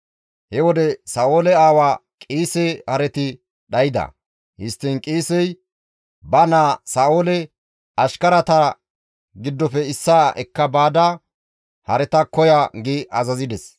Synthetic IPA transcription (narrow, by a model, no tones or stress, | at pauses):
hɛwɔd̪ɛsaːʔo̞ːlɛaːwaːkʼiːsɛhɐɾɛt̪ɪ | ɗɐjɪd̪ɐ̰ | hɪst̪ːɪnkʼiːsɛj | bɐnaːsaːoːlɛ | ɐʃkɐɾɐt̪ɐ | ɡɪd̪ːɔfɛɪsːaːɛkːɐbaːd̪a | hɐ̰ɾɛt̪ɐkɔjaɡɪʔɐzɐzɪd̪ɛs